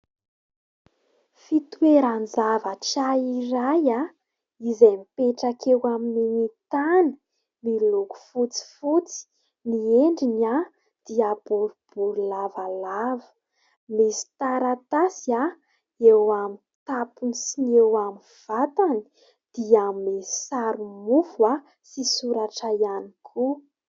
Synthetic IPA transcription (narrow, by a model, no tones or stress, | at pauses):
fit̪ueɾanzavaʈ͡ʂaiɾaja | izajmipeʈ͡ʂakewamininit̪ani̥ | miluku̥fut͡si̥fut͡si̥ | nieɳɖ͡ʐina | d̪̥iab̥uɾub̥uɾulavalavə̥ | misi̥t̪aɾat̪asia | ewami | t̪apunisinewami | v̥at̪ani̥ | d̪̥iamisi̥saɾumufua | sisuɾaʈ͡ʂaianikʰu